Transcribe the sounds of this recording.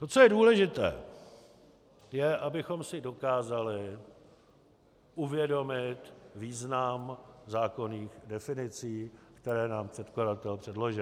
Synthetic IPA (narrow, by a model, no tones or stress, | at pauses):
t̪ot͡so̞jɛduːlɛʒɪt̪ɛ̰ː | jɛʔabɪxo̞msɪdo̞kaːzalɪ | ʔuvjɛdo̞mɪt̪viːznamzaːko̞niːxdɛfɪnɪt͡siːkt̪ɛɾɛːnaːmpr̥ɛt̪kladat̪ɛlpr̥ɛdlo̞ʒɪ